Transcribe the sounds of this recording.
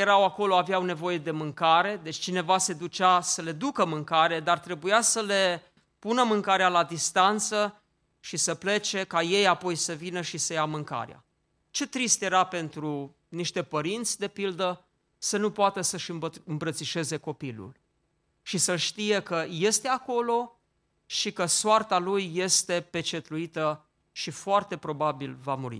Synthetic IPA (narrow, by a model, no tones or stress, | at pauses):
jeɾawako̞lo̞avjawne̞vo̞je̞d̪e̞mɨŋkaɾe̞d̪e̞t͡ʃʲt͡ʃine̞vase̞d̪ut͡ʃasəle̞d̪ukəmɨŋkaɾe̞d̪art̪ɾe̞bujasəle̞ | punəmɨŋkaɾealad̪ist̪ant̪sə | ʃisəple̞t͡ʃe̞kaje̞japo̞jsəvinəʃisəjamɨŋka̰ɾea̰ | t͡ʃe̞t̪ɾist̪je̞ɾape̞nt̪ɾu | niʃt̪e̞pəɾint̪sʲd̪e̞pild̪ə | sənupoat̪əsəʃɨmbəɨmpɾət̪siʃe̞ze̞ko̞pilṵl | ʃisəlʃt̪ije̞kəje̞st̪e̞ako̞lo̞ | ʃikəsoart̪alujːe̞st̪e̞pe̞t͡ʃe̞t̪ɾuit̪ə | ʃifoart̪e̞pɾo̞babilvamuɾḭ